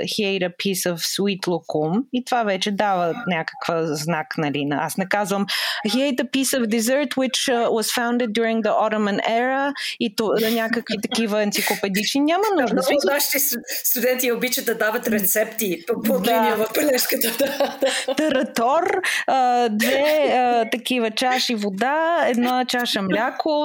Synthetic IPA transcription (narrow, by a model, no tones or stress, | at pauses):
xiɛjɾɐpʰisəfsuit̪lˠokumit̪ovavɛt͡ʃɛd̪avənʲakə̥kvəznaknɐlinə̰asnɛkazvəmxiɛjt̪əpisɔfd̪ɛzəɾt̪wɪt͡ʃwɔzfãʊ̃nd̪ɛd̪̚ːjuɾĩŋɡ̚d̪əʔɔɾomɐnɛɾəit̪nʲakəkvit̪ɐkivəɐnt̪siklˠopɛd̪it͡ʃninʲamɐnuʒd̪ɐnnaʃi̥isst̪ud̪ɛnt̪iobit͡ʃət̪̚ɐd̪avɐt̪ɾɛt̪sɛpt̪ippodiniɛvɐfpɛlɛʃkət̪əd̪t̪ɐɾɐt̪ɔrəd̪vɛət̪ɐkivət͡ʃaʃivod̪aɛd̪nɔt͡ʃaʃəmlʲakʰʊ